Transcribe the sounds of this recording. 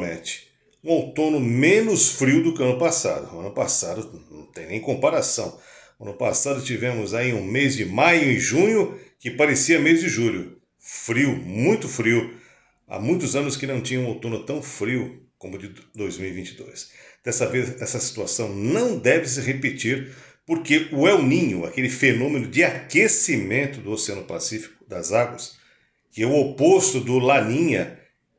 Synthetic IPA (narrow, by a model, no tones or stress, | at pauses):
mḛ̃t͡ʃɪ̥ | ũawt̪õnʊmẽnʊsfɾiwd̪ʊkɪɐ̃nʊpasa̰d̪ʊɐ̃nʊpa̰sad̪ʊnnɐ̃w̃t̪ẽj̃nẽj̃kõpaɾasɐ̃w̃ | ɐ̃nʊpa̰sad̪ʊt͡ʃivẽmʊzaiũmezd͡ʒɪmajʊɪ̃ʒũɲʊkɪpaɾesiɐmezd͡ʒɪʒuʎʊ | fɾiwmũj̃t̪ʊfɾiw | a̰mũj̃t̪ʊzɐ̃nʊskɪnɐ̃w̃t͡ʃĩɲɐ̃ũawt̪õnʊt̪ɐ̃w̃fɾiwkõmʊd͡ʒɪd̪ojzmiwivĩt͡ʃɪd̪o̰jsd̪̥ɛst̪ɐvezɛsɐsi̥t̪uasɐ̃w̃nɐ̃w̃d̪ɛvɪs̬ɪɦepet͡ʃiɾ | poɾkeʊɛwnĩɲʊa̰kelɪfenõmẽnʊd͡ʒɪakesimẽnt̪ʊd̪ʊoseɐ̃nʊpa̰sifi̥kʊ̥d̪ɐzaɡwɐs | kɪɛʊopost̪ʊd̪ʊlanĩɲɐ